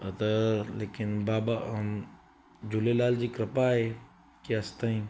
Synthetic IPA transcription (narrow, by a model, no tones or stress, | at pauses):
t̪ɐleːkɪnbaːba | d͡ʒʊlelaːld͡ʑiːkɾɪpaɦe | keɐst̪aĩː